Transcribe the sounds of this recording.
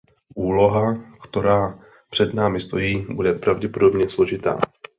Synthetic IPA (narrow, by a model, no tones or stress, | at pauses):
ʔuːlo̞ɦakt̪o̞ɾaː | pr̝̥ɛdnaːmɪst̪o̞jiːbudɛpɾavɟɛpodo̞bɲɛslo̞ʒɪt̪a̰ː